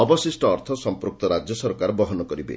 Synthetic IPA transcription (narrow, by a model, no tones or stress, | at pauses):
ɔbɔsisʈɔɔɾt̪ʰɔsɔmpɾuk̚t̪ɔɾad͡ʒjɔsɔɾkaɾɔbɔɦɔnɔkɔɾibḛ